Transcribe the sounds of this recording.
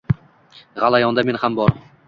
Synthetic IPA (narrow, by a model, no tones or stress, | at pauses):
ʁalˠajɒnd̪ame̞nhambɒɾ